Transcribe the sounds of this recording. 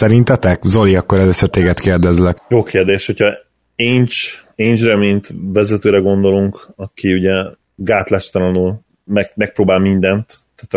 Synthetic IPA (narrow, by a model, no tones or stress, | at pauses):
sɛɾint̪ɛt̪ɛkzo̞liɒkːoɾɛløːsøːrt̪eːɡɛt̪keːrd̪ɛzlɛkjoːkʰeːrd̪eːʃho̞cʰɒ | eːɲt͡ʃeɲd͡ʒrɛmint̪vɛzɛt̪øːɾɛɡo̞nd̪o̞luŋkɒkiuɟɛ | ɡaːt̪laʃt̪ɒnɒnul | mɛɡmɛk̚pɾoːbaːlmind̪ɛnt̪ːaːt̪